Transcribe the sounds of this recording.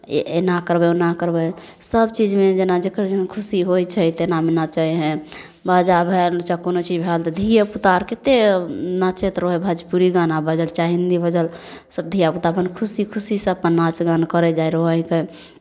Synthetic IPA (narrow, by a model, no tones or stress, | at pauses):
enakəɾbɛonakəɾbəj | səbt͡ʃid͡ʒmed͡ʒenad͡ʒekəɾd͡ʒənkʰusiɦojt͡ʃʰɛjt̪enamenat͡ʃəjɦɛ̃ | bad͡ʒabʱɛlt͡ʃakonot͡ʃid͡ʒbʱɛlt̪ɔd̪ʱijəput̪aɾket̪enat͡ʃet̪ɾoɦɛbʱad͡ʒpuɾiɡanabəd͡ʒəlt͡ʃaɦind̪ibəd͡ʒəl | səb̚d̪ʱijaput̪abənkʰusikʰusisəpənːat͡ʃɡankəɾɛd͡ʒajɾoɦəke